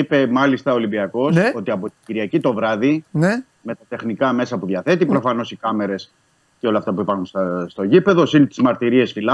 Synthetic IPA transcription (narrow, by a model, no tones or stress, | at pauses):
ipe̞mɐlist̪ɐolimbiɐko̞so̞t̪iɐpo̞t̪iɟiɾiɐcit̪o̞vɾɐðin | me̞t̪ɐt̪e̞xnikɐme̞sɐpuðʝɐθe̞t̪ipɾo̞fɐno̞sikɐme̞ɾe̞s | ceo̞lɐːft̪ɐpuipɐɾxunst̪ɐst̪o̞ʝipeðosint̪i̥zmɐɾt̪iɾie̞sfilɐ